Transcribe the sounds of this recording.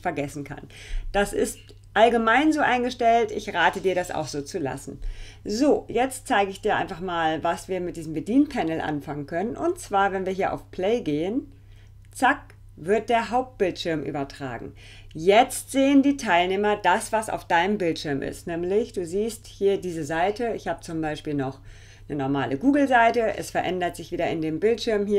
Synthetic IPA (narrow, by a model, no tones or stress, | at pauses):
fɛɐɡɛsn̩kʰa̰n | d̥asɪ̰st | ʔalɡəmaɪnzoːʔaɪnɡəʃtɛltɪçʁaːtədiːɐɾasa̰ʊxz̥oːt͡sula̰sn̩zoːjɛt͡stt͡saɪɡəɪçd̥iːɐʔa̰ɪnfaχmaːlvasv̥iːɐmɪt̚d̥iːzm̩bədiːnpʰɛnl̩ʔa̰nfaŋənkʰœnənʔʊ̰ntt͡sv̥aːɐvɛnviːɐɦiːɐʔa̰ʊfpl̥eɪɡeːən | t͡sak̚ | vɪɐt̚d̥eːɐɦaʊp̚t̚b̥ɪltʃɪɐmʔy̰ːbɐtʁ̥a̰ːɡŋ̩ | jɛt͡stz̥eːəndiːtʰaɪlneːmɐdasv̥asa̰ʊfd̥aɪnəmbɪltʃɪɐmʔɪ̰stnɛːmlɪçd̥uːziːsthiːɐdiːzəzaɪtəɪçhaːbət͡sʊmbaɪʃpiːlnɔχ | nənɔɐma̰ːlʔəɡuːɡl̩zaɪtəʔɛ̰sfɛɐʔɛndɐtz̥ɪçv̥iːdɐɪndeːmbɪltʃɪɐmhiːɐ